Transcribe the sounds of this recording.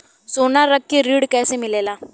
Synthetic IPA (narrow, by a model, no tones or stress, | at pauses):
soɳnaɾəkːiɾiɽkajsemilela